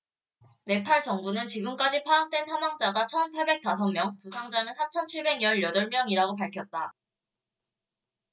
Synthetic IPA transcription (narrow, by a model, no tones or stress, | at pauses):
ne̞pʰaɭt͡ɕʌŋbunɯnt͡ɕiɡɯmk͈ad͡ʑipʰaːk̚t͈we̞nsʰaŋwaŋd͡ʑ͈aɡat͡ɕʰʌnpʰaɭbe̞k̚t͈asʰʌnmːjʌŋtusʰaŋd͡ʑanɯnsʰat͡ɕʰʌnt͡ɕʰiɭbe̞ɡɲjʌɭjʌdʌɭmjʌŋiɾaɡop̬aɭkʰjʌt̚t͈a